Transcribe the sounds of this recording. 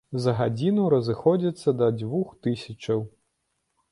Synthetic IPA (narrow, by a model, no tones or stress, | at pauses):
zɐɣad͡zʲinuɾɐzɨxɔd͡zʲit̪sːɐd̪ɐd͡zʲvuxt̪ɨsʲɐt͡ʂɐw